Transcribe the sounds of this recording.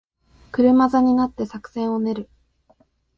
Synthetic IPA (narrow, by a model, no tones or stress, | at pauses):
kɯ̟ɾɯ̟mazaɲ̟inat̪ːe̞sakɯ̟̥sẽ̞ɰ̃o̞ne̞ɾɯ̟